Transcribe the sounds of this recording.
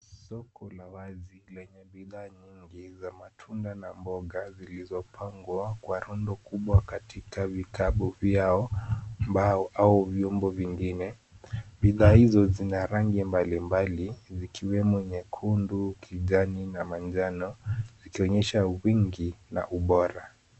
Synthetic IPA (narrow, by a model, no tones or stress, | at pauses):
sɔkʰɔlawazilɛɲɛɓiðaːɲiŋɡizamatʰundanambɔɡazilizɔpʰaŋɡwakwaɾɔndɔkuɓwakatʰikavikaɓɔvjaɔmbaauvjɔmbɔviŋɡinɛ | ɓiðaːhizɔzinaɾaŋɡimbalimbalizikʰiwɛmɔɲɛkʰundukʰiʄaninamand͡ʒanɔzikiɔɲɛʃawiŋɡina̰ʔuɓɔɾa